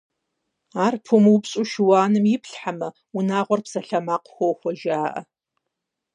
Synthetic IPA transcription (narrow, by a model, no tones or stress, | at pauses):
aːrpʰumuwpɕʼuʃɪwaːnɨmjɪpɬħamɐ | unaːʁʷɔrpsɐɬɐmaːqxʷɔwxʷɔʒaːʔɐ̰